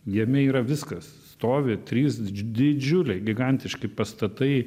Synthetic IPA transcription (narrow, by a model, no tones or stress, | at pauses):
jiɛmʲɛiːɾɐʋʲɪskɐs | st̪oːʋʲɪt̪ʲɾʲiːsd̪ʲɪd͡ʒʲʊlʲɛɪɡʲɪɡɐnʲt̪ʲɪʃkɐɪpɐst̪ɐt̪ɐɪ